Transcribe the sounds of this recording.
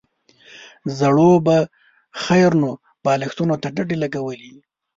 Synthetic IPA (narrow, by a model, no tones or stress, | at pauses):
zaɽoba | xajɾno | b̥ɑlɪxt̪unot̪aɖaɖelaɡawəli